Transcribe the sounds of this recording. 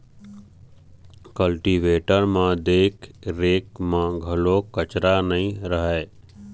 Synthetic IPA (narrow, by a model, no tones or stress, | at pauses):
kəlʈiːʋeːʈəɾmãd̪eːkʰɾeːkmãɡʱɐlokət͡ʃɾanɐĩɾəɦɛː